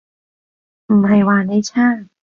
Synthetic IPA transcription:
m̩ː˨˩ha˧˩jwaː˧na˥˩t͡ɕʰaː˥˩

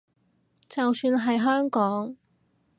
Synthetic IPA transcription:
t͡sɐ˨wsyː˧nɦɐ˨jɦœː˥ŋkɔː˨˥ŋ

